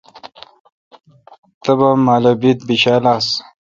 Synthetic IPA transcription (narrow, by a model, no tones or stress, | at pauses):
t̪ɐbamaːlobit̪̚biɕaːlas